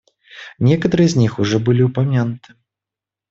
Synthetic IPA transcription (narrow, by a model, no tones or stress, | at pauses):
nʲɛkɐt̪ɐɾɨɛzʲnʲixuʐɔbɨlʲiupamʲanut̪ɨ̥